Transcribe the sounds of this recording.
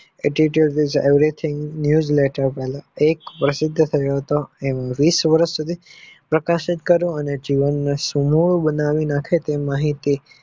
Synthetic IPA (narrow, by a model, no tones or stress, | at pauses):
eʈiʈəlʈɪzḛʋɾit̪ʰɪ̃ŋɡnjud͡ʒleʈəɾpɛɦlãekpɾəsɪd̪ʱːət̪ʰəjoɦət̪oemãʋisʋəɾəʃsud̪ʱipɾəkaʃɪt̪kəɾũəned͡ʒiʋənːesumuɭbənaʋinakʰet̪emaɦit̪i